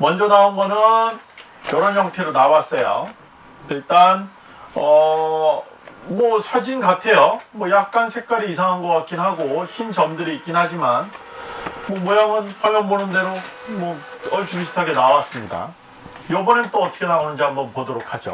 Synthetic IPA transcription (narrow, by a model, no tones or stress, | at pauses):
mʌnd͡ʑʌnaonɡʌnɯn | jʌɾanjʌŋtʰe̞ɾonawas͈ʌjo̰ | iɭt͈an | ʌ | mʌsʰad͡ʑinɡatʰe̞jomwʌjak̚k͈ansʰek̚k͈aɾiːsʰaŋɦanɡʌk͈ak̚k͈inɦaɡoçʰint͡ɕʌmdɯɾiik͈inhad͡ʑiman | mʌmojaŋɯnpaɭjʌnbonɯnde̞ɾomwʌʌt͡ɕumɕʰi̥tʰaɡe̞nawas͈ɯmɲida̰ | jʌbʌnɯnt͈oʌt͈ʰʌkʰe̞naonɯnd͡ʑiɦambʌnpodoɾokʰad͡ʑo̰